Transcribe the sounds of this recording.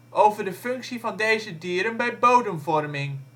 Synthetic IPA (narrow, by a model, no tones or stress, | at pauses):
ʔowvəɹdəfɵŋksivɑndejzədyːɾənbɛjbowdəmvɔrmɪŋ